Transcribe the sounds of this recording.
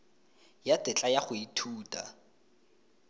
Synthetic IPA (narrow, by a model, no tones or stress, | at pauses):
jatʼɪt͡ɬʼajaχʊitʰuːtʼa̰